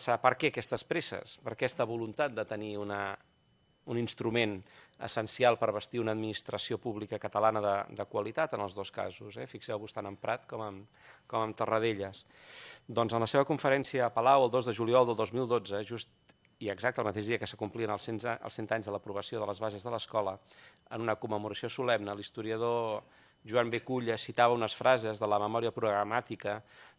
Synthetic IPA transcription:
sapəɾkɛəkɛst̪əspɾesə̰spəɾkɛst̪əβulunt̪at̪̚d̪ət̪əniunə | uninst̪ɾumenə̰sənsialˠpəɾβəst̪iunəd̪minist̪ɾəsiopuβlikəkət̪əlanəðəd̪əkwəlit̪at̪ənəlˠzðoska̰zuzɛ̰fiksɛwβust̪anəmpɾat̪kɔməm | kɔməmt̪ərəð̞eʎəs | d̪ɔnzənləseβəkuɱfəɾɛnsiəːpəlawəlˠd̪ozðəʒuliɔlˠd̪əlˠd̪ozmilˠd̪od͡zəʒust̪ | iəɡzak̚t̪əlˠmət̪eʒðiəkəsəkumpliənəlˠsenə̰lˠsent̪aɲzðələpɾuβ̞əsioðələzβazəzðələskɔlə | ə̰nunəkumːəmuɾəsiosulɛmnəlist̪uɾiəð̞o | ʒuambekuʎəsit̪aβəunəsfɾʔazəzðələməmɔɾiəpɾuɣɾəmat̪ikə

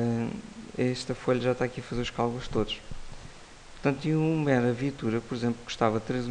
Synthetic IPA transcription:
ɛʃt̪ɐfoʎɐʒaʃt̪aːkiɐfɐzeɾuʃkalˠɣulˠʃt̪oðuʃ | puɾt̪ɐ̃nt̪ĩũmɛɾɐviɐt̪uɾɐpɔɾizẽmplˠku̥ʃt̪avɐt̪ɾez

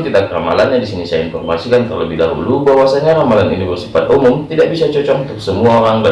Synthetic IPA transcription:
t̪idakramalanɲadisinisaainfɔrmasikant̪ərləbɪhdaɦṵlubawasaɲaɾamalanunifərsifat̪̚umʊmt̪idaʔ̚bisat͡ʃɔt͡ʃɔknt̪ʊksəmuaoɾaŋda

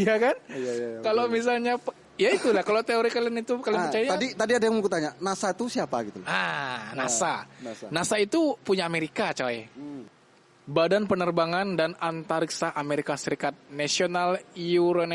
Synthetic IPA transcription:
jakankalomis̬alɲap | jait̪ulahkalot̪eoɾikalɛnit̪ukalimət͡ʃaaaadit̪adiadajaŋmukut̪aɲanasat̪usiapaɡit̪uanasannasait̪upuɲaːmeɾikat͡ʃaj | badanpənərbaŋandanant̪aɾiksaʔameɾikasəɾikat̪̚nasionaljuɾon

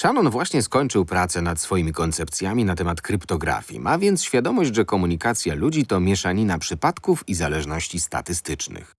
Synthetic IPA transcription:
ʂanɔnvwaɕɲɛskɔɲt͡ʂɘwpɾat̪sɛnat̪sfɔjimʲikɔnt̪sɛpt̪sʲjamʲinat̪ɛmat̪kɾɘpt̪ɔɡɾa̰fʲjḭmavʲjɛnt̪sɕfʲjad̪ɔmɔʑd͡ʑʐɛkɔmuɲikat̪sʲjalud͡ʑit̪ɔmʲjɛʂaɲinapʂɘpat̪kufizalɛʐnɔɕt͡ɕist̪a̰t̪ɘst̪ɘt͡ʂnɘ̰x

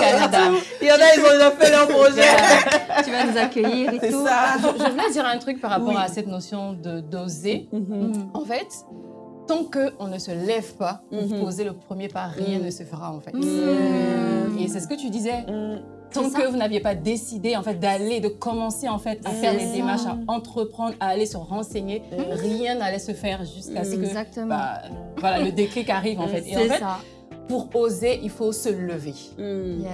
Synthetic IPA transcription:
kanad̪a | jɑ̃naizɔ̃zɔfɛlœʁpʁɔʒɛ | t̪yvanuzakʲəjiʁsɛsaʒvulɛd̪iʁɛ̃t̪χyk̚paʁapɔʁasɛt̪nosjɔ̃d̪əd̪oze | ɑ̃fɛt̪ː | ɑ̃kəʔɔ̃nəsəlɛvpapuʁpozeləpχəmjepaʁjɛ̃nəsəfəʁaɑ̃fɛt̪ | esɛsə̥kət̪yd̪izɛ | t̪ɑ̃kəvunavjepad̪esid̪eɑ̃fɛt̪̚d̪aled̪əkɔmɑ̃seɑ̃fɛt̪afɛʁled̪emaʁʃaɑ̃t̪χəpχɑ̃d̪ʁaːlesəʁɑ̃seɲeʁjɛ̃nalɛsəfɛʁʒyskasəkəak̪̚bavwalalləd̪eklikaʁivɑ̃fɛt̪eɑ̃fɛt | puʁozeʔilfosələve

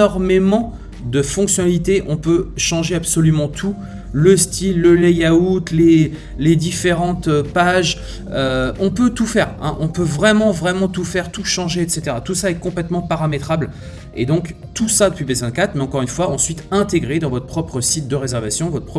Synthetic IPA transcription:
ɔʁmemɑ̃ | d̪əfɔ̃ksjɔnalit̪eʔɔ̃pøʃɑ̃ʒeabsɔlymɑ̃t̪ʰu | ləst̪ʰilːəlɛjaut̪le | led̪ifeʁɑ̃t̪øpaʒ | øɔ̃pøt̪ufɛːʁɛ̰̃ʔɔ̃pøvʁɛmɑ̃vʁɛmɑ̃t̪ufɛʁt̪uʃɑ̃ʒeɛt̪set̪eʁat̪usaɛkɔ̃plɛt̪mɑ̃paʁamet̪χabl | ḛd̪ɔ̃k | t̪usad̪əpɥibezɛ̃d̪kat̪χmɛɑ̃kɔʁynfwaɑ̃sɥit̪ɛ̃t̪eɡʁed̪ɑ̃vɔt̪χə̥pχɔpχəsit̪̚d̪əʁezɛʁvasjɔ̃vɔt̪pχɔ

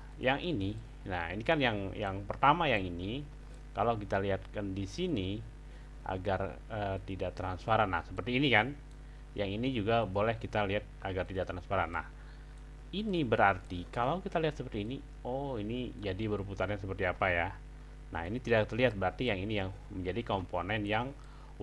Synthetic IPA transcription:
jaŋʔini | nahinikanjaŋjaŋpərt̪amajaŋini | kalawk̬it̪aliɦat̪̚kandisini | ʔa̰ɡar | əːt̪idak̚t̪ɾansfaɾanːa̰hsəpərt̪iːnikan | jaŋinid͡ʒuɡabolɛhkit̪aliɦat̪̚aɡart̪idaʔ̚t̪ɾansfaɾanːa̰h | inibəɾart̪ikalawkit̪aliɦat̪səpərt̪iːni | oinid͡ʒadibəɾput̪arɲasəpərt̪iapaja | na̰hinit̪idakt̪ərliɦat̪̚bəɾart̪ijaŋinijaŋ | məɲd͡ʒadikomponɛnjaŋ

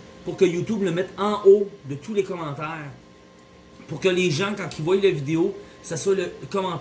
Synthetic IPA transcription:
puʁkʲəjut̪ubləmɛt̪ɑ̃ʔod̪ət̪ulekɔmɑ̃ːt̪ɛːʁ | puʁkʲəleʒɑ̃kɑ̃kʲivwajlavid̪eo | saswaləkɔmɑ̃

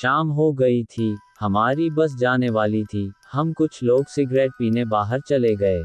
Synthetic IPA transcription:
ʃaːmɦoɡɐit̪ʰihɐmaːɾibɐs̬d͡ʒaːneʋaːlit̪ʰihɐmkʊt͡ʃʰloːɡsɪɡɾɛːʈ̚piːnebaːɦəɾt͡ʃɐleɡɐeː

